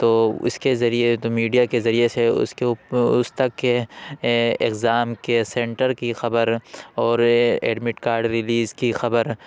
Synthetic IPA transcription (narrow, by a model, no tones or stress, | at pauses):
t̪oːʊ̰skezɐɾiet̪omiːɖijakezɐɾijeseʊ̰skeʊst̪ɐkːe | ɪkzaːmkesẽːɳʈəɾkixɐbəɾɔːɾḛːɖmɪʈkaːɾɖɾɪliːzkixɐbəɾ